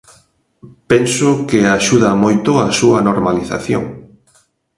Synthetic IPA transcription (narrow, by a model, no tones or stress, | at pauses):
pɛnsʊkɪaʃuðɐmojt̪ʊasuɐnoɾmaliθa̰θjo̰ŋ